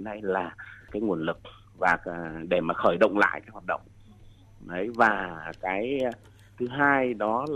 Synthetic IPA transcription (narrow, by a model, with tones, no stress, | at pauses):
nːa˧jlaː˨˩kaː˨˦jŋu˨˩ənlɨ˨˩k̚ | vaː˨˩˧ɗe˧˩maː˨˩xəː˧˩jɗə̰˧˨wŋ͡mla̰ː˧˨jʔkaː˨˦jwaː˨˩t̚ɗə̰˧˨wŋ͡m | ɗə˨˦jvaː˨˩kaː˨˦j | t̪ʰɨ˨˦ɦaː˧jɗɔ˨˦l